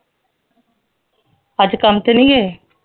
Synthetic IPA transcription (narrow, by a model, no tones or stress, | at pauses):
əd͡ʒkəmt̪enĩːɦeː